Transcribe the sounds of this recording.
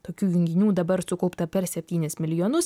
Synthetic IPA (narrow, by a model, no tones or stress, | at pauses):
t̪oːkʲuːjɪŋʲɡʲɪnʲuːd̪ɐbɐɾsʊkɐʊpt̪ɐpʲɛɾsʲɛpʲt̪ʲiːnʲɪsmʲɪlʲɪjoːnʊs